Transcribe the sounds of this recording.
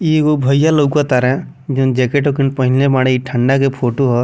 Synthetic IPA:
iɡobʱəjalowkat̪aɾɛ̃ | d͡ʒond͡ʒekeʈokinpəɦinlebaɽ̃eiʈʰəɳɖakepʰoʈoɦɔ

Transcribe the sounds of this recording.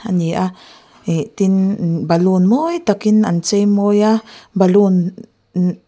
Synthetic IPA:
a̰niʔa | it̪inbalunmojt̪akinant͡ʃemojabalun

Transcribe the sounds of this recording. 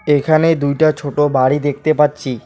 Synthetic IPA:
ekʰaned̪ujʈat͡ɕʰoʈobaɽid̪ek̚ʰt̪epatːɕʰi

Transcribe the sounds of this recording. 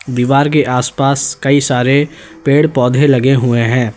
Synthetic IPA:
d̪iːʋaːɾk̬eʔaːspaːskɐisaːɾe | peːɽpɔːd̪ʱelɐɡeɦʊeɦɛ̃ː

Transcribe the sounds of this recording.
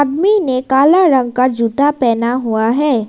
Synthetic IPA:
d̪minekaːlaɾə̃ŋɡ̚kad͡ʒut̪apɛːnaɦuaɦɛː

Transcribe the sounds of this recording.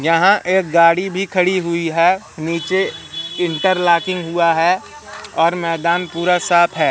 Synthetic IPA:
jɐɦãʔeːk̚ɡaːɽibʱikʰɐɽiɦʊiɦɛː | niːt͡ʃeɪ̃ɳʈəɾlaːkɪ̃ŋɡɦʊaɦɛ | ɔːɾmɛːd̪aːnpuːɾasaːpʰɦɛː

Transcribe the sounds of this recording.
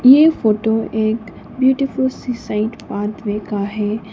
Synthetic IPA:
jefoːʈoeːk | bjuːʈɪfʊlsisaɪʈpaːd̪ʋeːkaɦɛː

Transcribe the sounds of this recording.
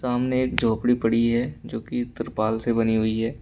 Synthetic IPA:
saːmneeːk̚d͡ʒoːpɽipɐɽiɦɛd͡ʒoːkiʊt̪ːəɾpaːlsebɐniɦʊiɦɛː

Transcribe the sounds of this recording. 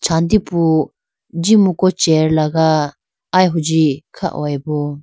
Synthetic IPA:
t͡ʃʰand̪ipu | d͡ʒimukɔt͡ʃɛɾlaɡaː | jɦud͡ʒikʰa̰ʔw̰ajbɔ

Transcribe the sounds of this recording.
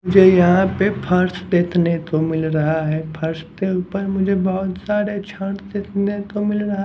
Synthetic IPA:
ʊd͡ʒʱejɐɦãpepʰɐɾsd̪eːt̪ʰnet̪omɪlɾɐɦaɦɛːpʰɐɾst̪euːpəɾmʊd͡ʒʱebɔɦʊt̪saːɾet͡ʃʰə̃ʈd̪eːt̪net̪omɪlɾɐɦa

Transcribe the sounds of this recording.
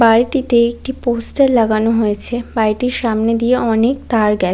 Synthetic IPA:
baɾʈit̪eek̚ʈiposʈeɾlaɡanoɦojet͡ɕʰebajʈiɾʃamned̪ieɔnek̚t̪aɾɡɛ

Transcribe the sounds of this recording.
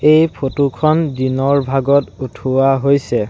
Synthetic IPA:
ejpʰotukʰɔndinɔɹbʱaɡɔtutʰuwaɦojsɛ

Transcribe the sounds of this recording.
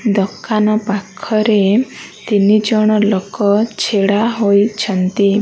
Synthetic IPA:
d̪ɔkʰːanɔpakʰːɔɾet̪inid͡ʒɔɽ̃ɔlokɔt͡ʃʰeɽaɦojt͡ʃʰɔnt̪i

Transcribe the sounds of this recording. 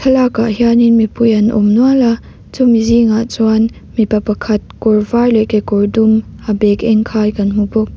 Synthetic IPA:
t̪ʰɐlakaʔɦjaninmipʊjɐnʔɔ̰mnuala | t͡sumiziŋaʔt͡suan | mipɐpɐkʰɐt̪̚kɔɹvajlɛʔkekɔɹdumʔabɛkɛŋkʰaːjkɐnm̥ubʊk̚

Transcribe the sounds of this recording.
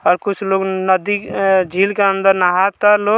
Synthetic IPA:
ɔːɾkʊt͡ʃʰloːɡnəd̪id͡ʒʱiːlkeə̃nd̪əɾnəɦat̪aloː

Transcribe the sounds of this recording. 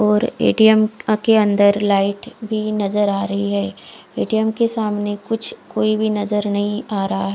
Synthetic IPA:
ɔːɾḛːʈijəmkeɐ̃nd̪əɾlaːɪʈbʱinɐzəɾaːɾɐɦiɦɛː | ḛːʈijəmkesaːmnekʊt͡ʃʰkoːibʱinɐzəɾnɐɦĩaːɾɐɦaɦɛː

